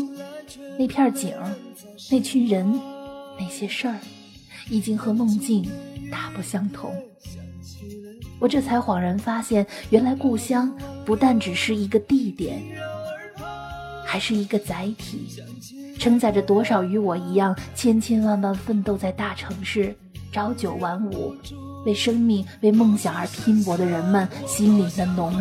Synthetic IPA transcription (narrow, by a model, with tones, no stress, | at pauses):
ne˥˧ɪpʰjɑ˥˩˧t͡ɕḭ˨˩ŋə˦˥ | ne˥˩ɪt͡ɕʰy˥nɻə˧˥nme˨˩ɪɕjɛ˥ʂə˞˥˩ | i˨˩t͡ɕi˥ŋxɤ˧˥nʊ˥˧ŋt͡ɕi˥˩nt̪a˥˩pu˥˩ɕjɑ˥ŋt̪ʰʊ̰˧˥ŋ | wɔ˨˩ʈ͡ʂɤ˥˩t͡sʰa˧˥ɪxwɑ˨˩ŋɻə˧˥nfa˥ɕjɛ˥˩nɥɛ˧˥nla˧˥ɪku˥˩ɕjɑ˥ŋpu˧˥t̪a˥˩nʈ͡ʂɻ̩˨˩ʂɻ̩˥˩i˧˥ɡə˧t̪i˥˩t̪jɛ̰˨˩˦n | xa˧˥ɪʂɻ̩˥˩i˧˥ɡə˧t͡sa˧˥ɪt̪ʰḭ˨˩˦ | ʈ͡ʂʰɤ˥ŋt͡sa˥˩ɪʈ͡ʂə˩t̪wɔ˥ʂɑ˨˩ʊy˧˥wɔ˨˩i˧˥jɑ˥˩ŋt͡ɕʰjɛ˥nt͡ɕʰjɛ˥nwɑ˥˧˩ŋt̪ɑ˥ŋfə˥˧nt̪o˥˧ʊt͡sa˥˧ɪt̪a˥˩ʈ͡ʂʰɤ˧˥ŋʂɻ̩˥˩ | ʈ͡ʂɑ˧˥ʊt͡ɕjo˨˩ʊwa˧˥nṵ˨˩ | we˥˩ɪʂɤ˥ŋmi˥˧ŋwe˥˧ɪmɤ˥˩ŋɕjɑ˨˩ŋə˞˧˥pʰi˥npwɔ˧˥d̪ə˧ɻə˧˥nmə˨nɕi˥nli˨˩d̪ə˦nʊ˧˥ŋ